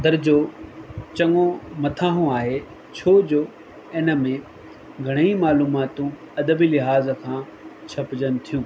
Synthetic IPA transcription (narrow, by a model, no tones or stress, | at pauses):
d̪ɐɾd͡ʑoːt͡ɕɐŋõmɐt̪ʰaːɦũaːɦe | t͡ɕʰoːd͡ʑoː | ɪnə̆mẽ | ɡʱɐɽ̃əimaːluːmaːt̪ũ | ɐd̪əbilɪɦaːz̆kʰãː | t͡ɕʰɐpd͡ʑənɪ̆t̪ʰijũː